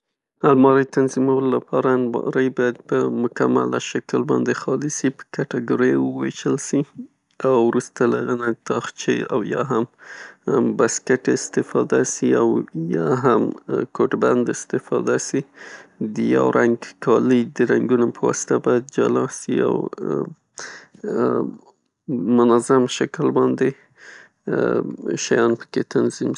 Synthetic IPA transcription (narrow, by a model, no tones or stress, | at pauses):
almɑɾəjt̪anzimawəlolapʰɑɾalmɑ̰ɾəjbɑjad̪̚pəmʊkama̰la̰ʃakəlbɑnd̪exɑlɪsipə̥kaʈaɡoɾəwəweʒəlsi | awɾust̪alaɣənat̪ɑxt͡ʃea̰wjɑɦam | baskeʈɪst̪ɪfɑd̪asiawjɑɦamkoʈband̪ɪst̪ɪfɑ̰d̪asid̪əja̰wɾʔaŋɡkʰɑləd̪əɾaŋɡunopəwɑ̰sɪ̥t̪abɑjad̪̚d͡ʒa̰lɑsia̰w | mʊnazamʃaklbɑnd̪e | ʃajɑnpə̥ket̪ʰanzim